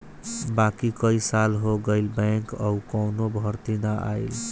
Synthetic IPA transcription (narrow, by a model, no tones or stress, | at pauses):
bakikəisalɦoɡəjlbəŋkʌwkəwnobʱʌɾt̪inaʔa̰il